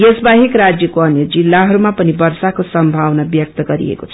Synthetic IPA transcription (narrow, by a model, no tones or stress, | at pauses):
jesbaɦikrad͡zjʌkoʌnjʌd͡zilːaɦʌɾumapʌnibʌrsakosʌmbʱawnabjʌk̚t̪ʌɡʌɾḭḛkot͡sʰʌ̥